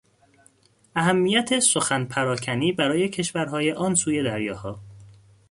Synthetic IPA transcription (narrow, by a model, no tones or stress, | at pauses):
ʔæɦæmːiːjæt̪ʰe̞so̞xænpʰæɾɒːcʰæniːbæɾɒːje̞cʰe̞ʃvæɾɦɒːje̞ʔɒːnsuːje̞d̪æɾjɒːhɒː